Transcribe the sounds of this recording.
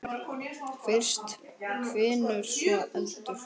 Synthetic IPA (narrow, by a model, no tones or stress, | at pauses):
fɪr̥st̪kʰvɪːnʏɾ̥sɛʔunt̪ʏɾ